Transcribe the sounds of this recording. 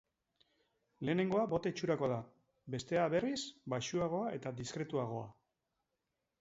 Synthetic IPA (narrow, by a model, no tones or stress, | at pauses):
le̞ːne̞ŋɡo̞abo̞t̪et͡ʃuɾako̞ða | be̞st̪e̞aβe̞risbaʃuaɣ̞o̞ae̞t̪ad̪iskɾe̞t̪uaɣ̞o̞a̰